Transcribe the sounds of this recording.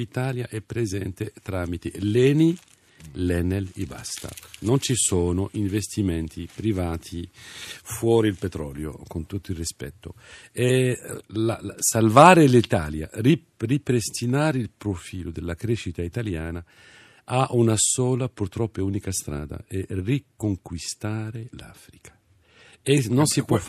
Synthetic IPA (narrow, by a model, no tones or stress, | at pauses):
it̪aːljaʔɛpːɾezɛnt̪et̪ɾaːmit̪ḛlɛːni | lɛneliba̰st̪a̰nont͡ʃisoːnoʔiɱvest̪imɛnt̪ʰipɾivaːt̪ʰi | fwɔːɾilpet̪ɾɔ̰ːljo̰kont̪ut̪ːoilrispɛ̰t̪ːoɛlasalvaːɾelit̪aːlja̰ri | ripɾest̪inaːɾeilpɾofiːlod̪elːakɾeʃːit̪ait̪aljaːna | aʔunasoːlapurt̪ɾɔpːeuːnikast̪ɾa̰ːd̪a̰ɛrikoŋkwist̪aːɾela̰ːfɾikʰḁ | enonsipwɔ